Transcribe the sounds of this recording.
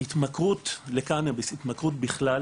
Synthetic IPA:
hit̪makʁutlekanabisit̪makʁutbiχla

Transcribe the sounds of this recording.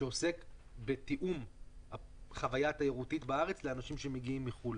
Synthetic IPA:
eo̞se̞kbet̪iʔumhaχavajatajeʁutitbaaʁet͡sleanaʃimʃe̞meɡiimːiχul

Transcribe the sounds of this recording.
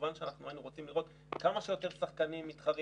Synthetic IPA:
vanʃeanaχnuainuʁo̞t͡simliʁo̞t̪ | kamaʃejo̞t̪e̞ʁsaχkanimːit̪χaʁ

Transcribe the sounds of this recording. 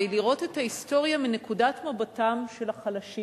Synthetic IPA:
iliʁo̞te̞thaisto̞ʁjamine̞kudatmabatamʃe̞laχalaʃi

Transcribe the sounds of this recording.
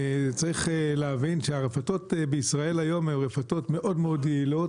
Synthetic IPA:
t͡saʁiχleavinʃeaʁefato̞t̪beisʁae̞lajo̞mhemʁefato̞tme̞ʔo̞dmeo̞dɡeilo̞t

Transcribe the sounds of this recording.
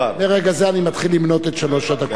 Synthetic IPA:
meʁeɡazeanimat̪χilːimno̞t̪et̪ʃalo̞ʃad̪ak

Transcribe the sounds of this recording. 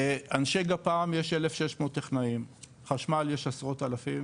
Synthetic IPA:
eanʃeɡapaːmjeʃelefʃeʃmoːt̪ːeχnaim | χaʃmaljeʃasʁot̪alafim

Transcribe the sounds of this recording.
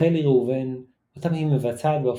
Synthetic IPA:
eliʁeuven | ot̪amhimevat͡saːt̪baf

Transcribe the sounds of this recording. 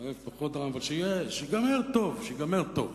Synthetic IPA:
efpaχod̪ʁavalʃejeʃeɡameʁt̪ovʃeɡameʁt̪ov

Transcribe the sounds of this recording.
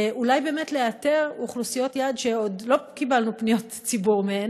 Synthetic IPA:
ʔulajbe̞ːmetleateʁuχlusijo̞t̪jaːd̪ʃeod̪lo̞kibalnupnijo̞t | t͡sibuʁmeen

